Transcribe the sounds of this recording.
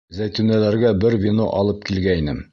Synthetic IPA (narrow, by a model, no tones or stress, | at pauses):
zæjt̪ʉnælæɾɡæbɘɾvʲino̰ʔɒlˠɤp̚kilɡæinɘm